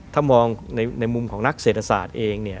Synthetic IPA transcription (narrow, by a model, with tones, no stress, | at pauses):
t̪ʰaː˥˩mɔː˧ŋna˧jna˧jmu˧mkʰɔː˩˦ŋna˦˥k̚seː˨˩t̪ʰːa˧sa̰ː˨˩t̪̚ʔeː˧ŋni˥˩ɐ